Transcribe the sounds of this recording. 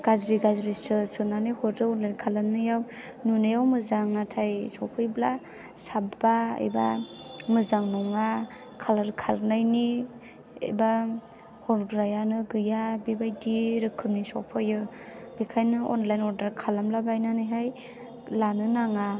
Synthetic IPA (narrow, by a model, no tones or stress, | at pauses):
ɡ̥azɾiɡazɾisɯsɯnanɯjhɔɾdɯɔnlajnkʰalamnɯjaw | nunɯjawmɯzaŋnatʰajsɔpʰɯjbla | sabbaɯ̰jba̰mɯzaŋnɔŋa | kʰalaɾkʰaɾnajni | ḛjba | hɔɾɡɾajanɯɡɯjabibajdiɾɯkʰːɯmnisɔwpʰɯjɯ | b̥ekʰajnɯɔ̰nlajnɔdaɾkʰalamlabajnɯnɯjɦaj | lanɯnaŋa